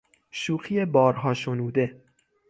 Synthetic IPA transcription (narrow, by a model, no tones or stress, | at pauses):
ʃuːxʰijebɒːɾɦɒːʃonuːd̪e̞